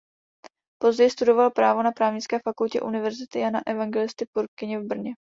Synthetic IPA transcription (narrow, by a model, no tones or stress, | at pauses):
po̞zɟɛjst̪udo̞valpɾaːvo̞napɾaːvɲɪt͡skɛːfakulcɛ̰ʔunɪvɛɾzɪt̪ɪjanaʔɛvaŋɡɛlɪst̪ɪpuɾk̚kɪɲɛvbr̩ɲɛ